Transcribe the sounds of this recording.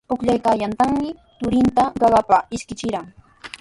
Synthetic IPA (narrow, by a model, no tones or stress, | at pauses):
ʊkʎajkaːjant̪aŋmɪ | t̪ʊɾɪnt̪aɢɑɢɑpaɪʃkɪt͡ʃɪɾaŋ